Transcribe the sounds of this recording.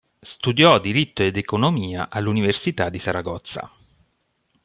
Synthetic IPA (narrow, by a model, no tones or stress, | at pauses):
st̪ud̪jɔd̪ːiɾit̪ːoed̪ekonomiːaʔalːuniversit̪ad̪ːisaɾaɡɔt̪sːa̰